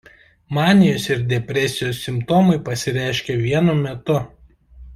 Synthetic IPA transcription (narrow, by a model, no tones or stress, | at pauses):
mɑːnʲɪjoːsɪɾd̪ʲɛpʲɾʲɛˑsʲɪjoːsːʲɪmpt̪oːmɐɪpɐsʲɪɾʲæˑɪʃʲkʲɛʋʲiɛnʊmʲɛt̪ʊ